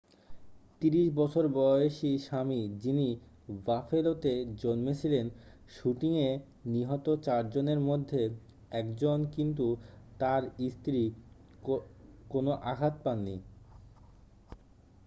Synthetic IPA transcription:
t̪iɾiʃbɔt͡ɕʰoɾbɔeʃiʃamid͡ʑini | vafelot̪ed͡ʑonmet͡ɕʰilen | ʃuʈiŋe | niɦɔt̪ot͡ɕaɾd͡ʑoneɾmod̪ʱːe | ɛkd͡ʑonkint̪ut̪aɾist̪ɾi | konoʔaɦat̪̚panːi

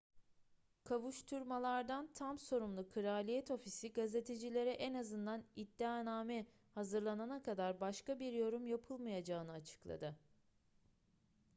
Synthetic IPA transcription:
kʰavuʃt̪ʰuɾmalˠaɾd̪ant̪ʰamso̞ɾumlˠukʰɯɾaːlʲijɛt̪o̞fisiɡaze̞t̪ʰe̞d͡ʒilʲe̞ɾɛʔɛnazɯnd̪anid̪ːaːnaːmɛ | hazɯɾlˠananakʰad̪aɾbaʃkabiɾjo̞ɾumjapʰɯlˠmajad͡ʒaːɯnɯat͡ʃʰɯ̥klˠa̰d̪ɯ

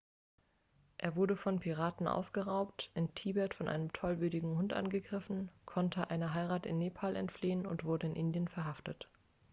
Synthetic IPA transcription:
ʔeːɐvʊɐdəfɔnpʰiʁ̞aːtn̩ʔa̰ʊsɡ̥əʁaʊptʔɪntʰiːbɛɐtfɔnʔa̰ɪnəmtʰɔlvyːɐdɪɡŋ̩hʊntʔa̰nɡəɡʁɪfn̩kʰɔntʰəʔaɪnəɦaɪʁaːtɪ̰nːeːpʰaːlʔɛ̰ntfliːənʊ̰ntv̥ʊɐdəɪnʔɪndjənfɛɐɦaftət

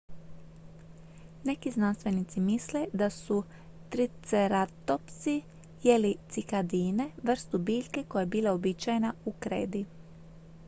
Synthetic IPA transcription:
ne̞kiznanst̪ʋe̞nit̪simisle̞d̪asu | t̪ɾit̪seɾat̪o̞pt̪si | jelit̪sikad̪iːne̞ʋr̩st̪ubiːʎʲke̞kojaebiːlˠaobit͡ʃajenaukɾḛːd̪i

